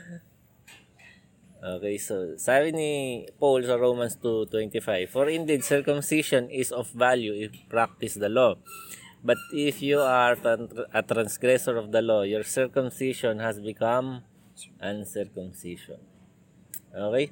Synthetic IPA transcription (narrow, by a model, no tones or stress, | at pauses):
ʔoːkejsosabɪnipowlsɐɹowmɐnst̪ut̪wɛ̃nt̪ɪfajbfɔɹɪ̃nd̪ɛd̪sɛɹkʊmsiʃɔnʔɪsɔfːaljuɪpɹak̚t̪ɪsd̪ɐlo | bɐt̪̚ɪfjuaɹʔɐt̪ɾɐ̃nsɡɾɛsɔɹɔfd̪ɐlojɔɹsɛɹkʊmsiʃɔnhɐsbɪkɐm | ʔɐ̃nsɛɹkʊmsiʃɔ̰n | ʔoːkej